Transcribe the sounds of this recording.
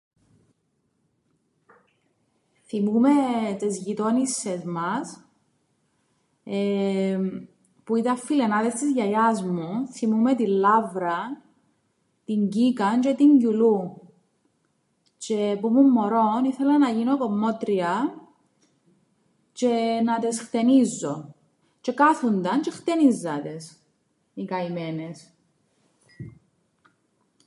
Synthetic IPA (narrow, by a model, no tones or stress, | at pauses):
θimumet̪ezʝit̪onisːezmɐs | e | puit̪ɐfːilenɐðest̪izʝɐjɐzmuθimumet̪ilːɐvɾɐ | t̪iɲɟikɐnt͡ʃet̪iɲɟulu | t͡ʃepumumːoɾoniθelɐnɐʝinokomːo̞t̪ɾiɐ | t͡ʃenɐt̪esxt̪enizːo̞̰ | t͡ʃe̞kaθund̪ɐnt͡ʃext̪enizːɐt̪es | ikɐimenes